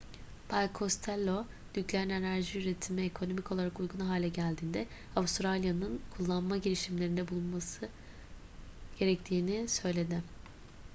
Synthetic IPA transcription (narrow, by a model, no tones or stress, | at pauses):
bʰalʲkʰo̞st̪ʰɛlʲːo̞ | d̪̥yclʲeɾine̞næɾʒiyɾet̪ʰimɛekʰo̞no̞micʰolˠaɾakujɡunɦaːlʲɛɟælʲd̪iːnd̪ɛ | avust̪ɾalʲjanɯnkʰulˠːanmaɟiɾiʃimlʲe̞ɾind̪ɛbulˠunmasɯ | ɟ̥e̞ɾɛc̚t̪ʰiːnisø̞jlʲe̞d̪ɪ